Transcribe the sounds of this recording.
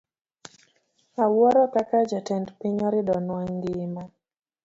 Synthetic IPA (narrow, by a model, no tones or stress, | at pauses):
awwɔɾɔkakad͡ʒatɛndpiɲɔɾiɗɔnwaŋɡima